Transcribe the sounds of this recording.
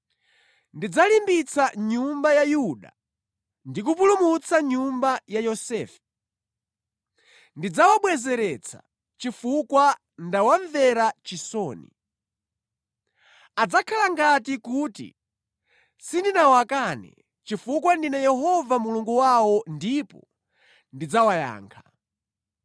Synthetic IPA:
ndid͡zalimbit͡saɲumbajajuɗa̰ | ndik̬up̬ulumut͡sʰaɲumbajajɔsɛːfɛ̥ | ndid͡zawaɓwɛzɛɾɛt͡sʰḁ̰ | t͡ʃifukwa | ndawaɱvɛɾat͡ʃisɔːnḭ | ad͡zakʰalaŋɡatikutḭ | sindinawakanɛ̰ | t͡ʃifukwandinɛjɛɦɔvamuluŋɡuwawɔndipɔ̰ | ndid͡zawaja̰ːŋkʰa

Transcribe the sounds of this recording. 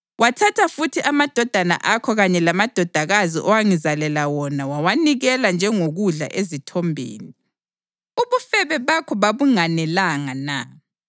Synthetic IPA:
watʰatʰafutʰiʔamad̥ʱɔd̥ʱana̰ʔakʰɔɣaɲɛlamad̥ʱɔd̥ʱaɣaziʔɔwaŋizalɛlawɔnawawaniɣɛland͡ʒʱɛŋoɣuɮa̰ʔezitʰɔmbʱḛːni | uβufɛβɛβakʰɔβaβuŋanɛlaŋana̰

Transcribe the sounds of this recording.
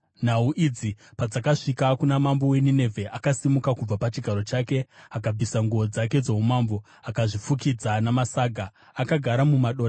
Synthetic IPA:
n̤auʔid͡zipad͡zakaʂikakunamambo̞we̞nine̞vʱe̞ʔakasimukakub͡vapat͡ʃiɡʱaɾo̞t͡ʃaːke̞akab͡vʱisaŋɡuod͡zak̬e̞d͡zoɦumaːmbo̞ | akaʐifukid͡zanamasaːɡʱaː | kaɡʱaɾamumaɗo̞ːra

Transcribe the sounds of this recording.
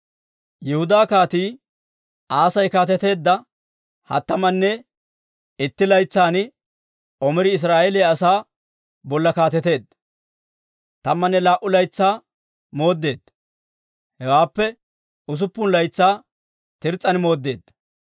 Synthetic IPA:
jɛhʊd̪aːkaːt̪iː | ʔaːsɐjkaːt̪ɛt̪e̞ːd̪ːɐ | hɐ̰t̪ːɐmɐnːɛ | ɪt̪ːɪlɐjt͡sːaːn | ʔɔmɛɾɪɪs̬ɾaːʔɛleɐsaː | bɔlːɐkaːt̪ɛt̪e̞ːd̪ɐ | t̪ɐmːɐnːɛlaːʔʊlɐjt͡sːaː | mo̞ːd̪ːe̞ːd̪ɐ | hɛwaːpːɛ | ʊs̬ʊpːʊnlɐjt͡sːaː | t̪ɪɾt͡sʼːɐnmo̞ːd̪ːe̞ːd̪ːɐ

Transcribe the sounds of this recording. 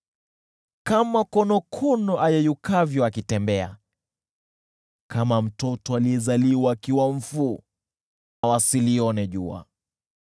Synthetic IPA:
kamakɔnɔkʰɔnɔʔajɛjukavjɔakitɛmbɛa̰ | kʰamam̩tɔtɔaliɛzaliwaːkiwam̩fu | nawasiliɔnɛʄṵa̰

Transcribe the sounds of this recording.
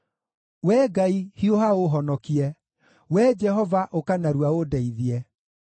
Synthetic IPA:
wɛɡaihioɦaoɦɔnɔkiɛ | wɛd͡ʒɛɦɔvaʔokanaɾwaodɛiðiɛ

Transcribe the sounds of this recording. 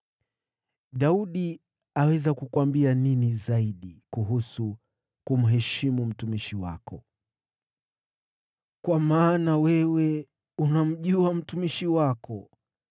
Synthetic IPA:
ɗauɗi | awɛzakukwambianinizaiɗikuɦusu | kum̩ɦɛʃimum̩tumiʃiwa̰kɔ | kwamaːnawɛwɛ | unam̩ʄuam̩tumiʃiwakɔ

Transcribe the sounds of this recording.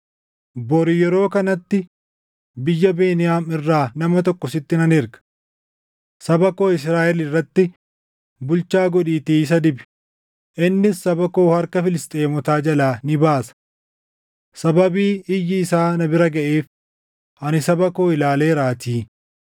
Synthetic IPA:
bɔɾɪjɛɾo̞ːkɐnɐt̪ːɪ | bɪjːɐbeːnɪjaːmɪrːaːnɐmɐt̪ɔkːɔsɪt̪ːɪnɐnɪɾɡɐ̥ | sɐbɐko̞ːɪs̬ɾaːʔɛlɪrːɐt̪ːɪ | bʊlt͡ʃaːɡɔᶑiːt̪iːs̬ɐd̪ɪbɪ̥ | ʔɪnːɪsːɐbɐko̞ːhɐɾkɐfɪlɪst̪ʼe̞ːmʊt̪aːd͡ʒɐlaːnɪbaːsɐ̥ | sɐbɐbiːɪjːɪːsaːnɐbɪɾɐɡɐʔeːf | ʔɐnɪsɐbɐko̞ːɪlaːle̞ːɾaːt̪iː

